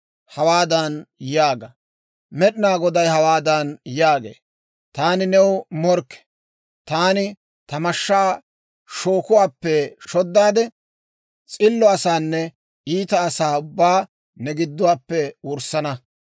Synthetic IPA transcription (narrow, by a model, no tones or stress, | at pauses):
hɐwaːd̪ɐnjaːɡɐ | mɛɗnaːɡɔd̪ɐjhɐwaːd̪ɐnjaːɡḛː | t̪aːnɪnɛwmɔɾkːɛ̥ | t̪aːnɪ | t̪ɐmɐʃːaː | ʃoːkʊwaːpːɛʃɔd̪ːaːd̪ɛ | t͡sʼɪlːɔɐsaːnːɛ | ʔiːt̪ɐːsaːʊbːaː | nɛɡɪd̪ːʊwaːpːɛwʊɾsɐnɐ